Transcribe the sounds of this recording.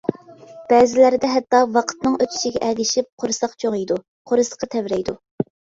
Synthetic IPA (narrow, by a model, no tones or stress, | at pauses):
b̥ɛːzɪlæɾɪd̪ɛɦɛt̪ːɑwɑqʰə̥t̪nɨŋøt͡ʃ̪ʰi̥ʃiɡʲɛʔɛd̪ɪʃip̚qʰoɾɨsɑqt͡ʃʰoʁijd̪u | qʰoɾɨsə̥qɑt̪ʰɛvɾɛjd̪u